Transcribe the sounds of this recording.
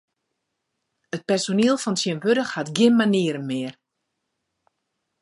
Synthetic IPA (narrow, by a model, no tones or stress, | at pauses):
ət̚pɛrsoniəlˠfɔnsjənʋødəxhatɡɪnmaniəɾənmɪːər